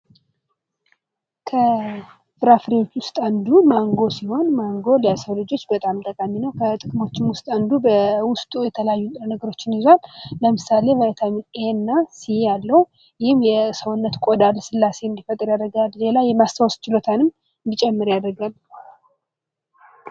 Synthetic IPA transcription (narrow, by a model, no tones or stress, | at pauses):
kʰə | bɨɾafɾewo̞t͡ʃːwʊst̪ʼand̪umaŋɡo̞siho̞nmaŋɡo̞ljasəwlɨd͡ʒo̞t͡ʃːbət̪ʼamt̪ʼəkʼaminəwkʰət̪ʼɨkʼɨmo̞t͡ʃːɪmwʊst̪ʼand̪ubəwʊst̪ʼujɛt̪ʰələjajːut̪ʼɾənəɡəɾo̞t͡ʃːɪnizwalləmɨsale̞vət̪ʰaminenːasihejalːəw | jɪhɪmjɛsəwnːət̪kʷʼod̪alsɨlːase̞ɨnd̪ifət̪ʼːɨɾjad̪əɡalle̞lajɛmast̪awst͡ʃɪlo̞t̪ʰanɨm | ɨnd̪it͡ʃʼɛmːɨɾjad̪əɾɡal